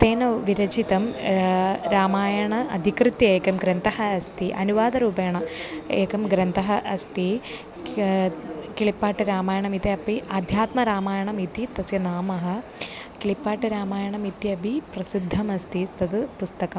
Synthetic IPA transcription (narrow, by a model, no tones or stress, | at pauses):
t̪eːnɐʋiɾɐd͡ʑit̪ɐm | ɾaːmaːjɐɳɐɐd̪ʱikrɨt̪jɐeːkɐmɡɾɐnd̪ɐhɐɐst̪iʔɐnuʋaːd̪ɐɾuːbeːɳɐeːkɐmɡɾɐnd̪ɐɦɐʔɐst̪i | kiɭipːaːʈːɨɾaːmaːjɐɳɐmit̪iɐpːiʔaːd̪ʱjaːt̪mɐɾaːmaːjɐɳɐmit̪it̪ɐsjɐnaːmɐɦɐkiɭipːaːʈːɨɾaːmaːjɐɳɐmit̪jɐbʱiprɐsid̪ʱːɐmɐst̪ist̪ɐðɨpust̪ɐkɐm